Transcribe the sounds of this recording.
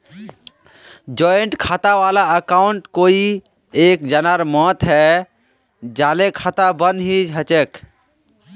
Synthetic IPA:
d͡ʒɔeɳʈkʰat̪aʋalaəkaʊɳʈkoi | ek̚d͡ʒanaɾmɔt̪ɦɛ | d͡ʒalekʰat̪abənd̪ɦiɦət͡ʃek

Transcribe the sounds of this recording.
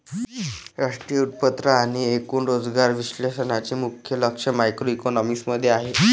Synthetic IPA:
ɾaʂʈɾijut̪̚pət̪ɾəaɽ̃iekuːnɾod͡zɡaɾʋiɕlesənat͡ɕemukʰjələkʂəmajkɾoikonɔmisməd̪ʱːjeaɦe

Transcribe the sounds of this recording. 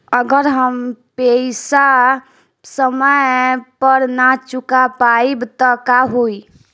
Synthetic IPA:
əɡəɾɦəmpeɪsa | səməjpəɾnat͡ʃʊkapaibt̪ɔkaɦoi

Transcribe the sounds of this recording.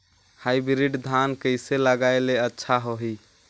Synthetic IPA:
hajbɾiɖd̪ʱankəjseləɡaeleətːʃʰaɦoɦi

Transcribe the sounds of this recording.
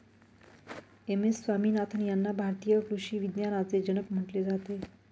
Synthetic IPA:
emesːʋamiːnat̪ʰənjanːabʱaɾt̪ijəkɾuɕiːʋid̪janat͡sed͡ʑənəpm̤əʈled͡zat̪e

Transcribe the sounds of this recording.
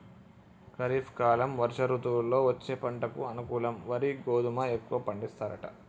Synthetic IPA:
kɐɾiːpʰkaːlɐmʋɐɾʃɐɾuːt̪uulːo̞ːʋɐt͡ʃːeːpɐɳʈɐkuɐnukuːlɐmʋɐɾiɡoːd̪umɐekːuʋɐːpɐɳɖist̪aːɾɐʈɐ̰

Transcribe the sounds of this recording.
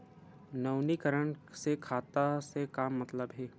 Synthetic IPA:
nɐwnikəɾəɳsekʰaːt̪asekaːmːɐt̪ləbɦɛː

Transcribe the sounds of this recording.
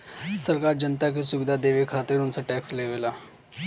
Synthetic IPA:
səɾkaɾd͡ʑənt̪ak̬isuʋid̪ʱad̪eʋekʰat̪ɾiːɾunsaʈɛksleʋela

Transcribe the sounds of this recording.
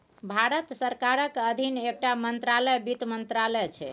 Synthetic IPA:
bʱaɾət̪səɾkaɾəkəd̪ʱinek̚ʈamənt̪ɾalɛjbit̪mənt̪ɾalɛt͡ʃʰɛ̰

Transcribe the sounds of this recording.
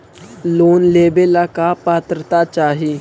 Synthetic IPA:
loːnleːbelakapaːt̪ɾət̪at͡ʃaːɦiː

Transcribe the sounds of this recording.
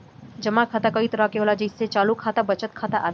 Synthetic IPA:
d͡ʒəmãkʰaːt̪akəit̪əɾakeɦolad͡ʒisːet͡ʃaːlukʰaːt̪abət͡ʃət̪̚kʰaːt̪aʔa

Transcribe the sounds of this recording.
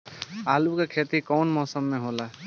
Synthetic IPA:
alukekʰet̪ikɔːnmɔːsəmːẽɦola

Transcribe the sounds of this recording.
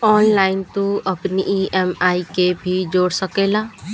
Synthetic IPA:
ɔːnlaːɪnt̪uəpniʔiɛmaːikebʱid͡ʒoːɽsəkeːlaː

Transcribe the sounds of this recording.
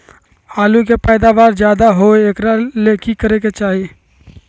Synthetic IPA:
aːlũkepɛːd̪aʋaːɾd͡ʒjaːd̪aɦoeeːkɾaleːkikəɾeket͡ʃaːɦie

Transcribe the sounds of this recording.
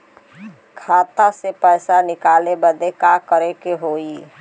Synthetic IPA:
kʰaːt̪asepɛɪsanɪkaːlebəd̪ekakəɾekeɦoːi

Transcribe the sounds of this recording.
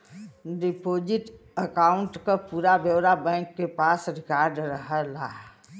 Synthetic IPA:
ɖipod͡ʒɪʈəkaːʊ̃ɳʈkapuːɾabjəwɾabɛ̃kːepaːsɾɪkaːɾɖɾəɦəlaː

